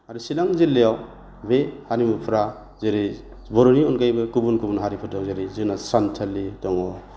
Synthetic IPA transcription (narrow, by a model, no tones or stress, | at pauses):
aɾusilaŋzilːejaw | behaɾimupʰɾa | zeɾi | bɔɾɔniɔnkajbɯkubunkubunɦaɾipʰɯtɔŋzeɾizɯnasantʰalːitɔŋɔ